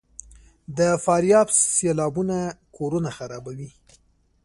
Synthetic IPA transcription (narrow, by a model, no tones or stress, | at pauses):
d̪əfɑɾjɑbselɑbunakʰoɾunaxaɾɑbawi